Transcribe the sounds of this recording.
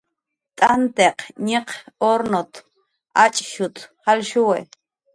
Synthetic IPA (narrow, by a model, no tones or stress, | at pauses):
t̪ʼant̪eqɲiqoɾnot̪ | ʔat͡ʃʼʃut̪halʃuwe